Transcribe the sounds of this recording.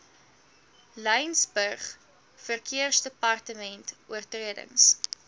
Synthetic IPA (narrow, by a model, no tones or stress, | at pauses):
lɛjnsbərχ | fərkʰiərsdəpɐrtəmɛntuərtriədə̰ŋs